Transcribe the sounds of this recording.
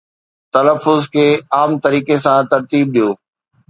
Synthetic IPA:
t̪ɐləfːʊzkʰeːaːmt̪ɐɾiːkesãt̪ɐɾt̪iːb̚ɗijoː

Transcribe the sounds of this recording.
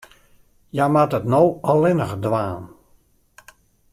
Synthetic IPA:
jamatətnowɔlɪnəχdʋaːn

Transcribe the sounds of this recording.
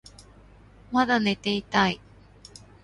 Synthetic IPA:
mad̪ane̞t̪e̞it̪ai

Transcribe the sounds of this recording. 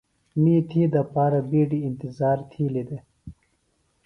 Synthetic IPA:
miːt̪ʰiːd̪ɐpaːɾabiːɖiːnt̪izɑːɾt̪ʰiːlid̪e

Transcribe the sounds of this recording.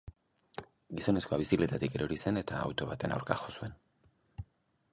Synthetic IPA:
ɡiso̞ne̞sko̞aβ̞isikle̞t̪at̪ike̞ɾʔoɾise̞ne̞t̪a̰ːwt̪o̞β̞at̪e̞na̰wɾka̰xo̞sue̞n

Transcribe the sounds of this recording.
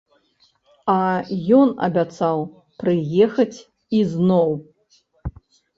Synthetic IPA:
ɐjɔnɐ̰bʲat̪saw | pɾɨjɛxɐt͡sʲ | iznɔw

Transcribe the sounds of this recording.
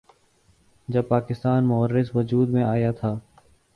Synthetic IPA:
d͡ʒɐb̚paːkɪst̪aːnmʊɦəɾːɪzʋɐd͡ʒuːd̪mẽaːjat̪ʰaː

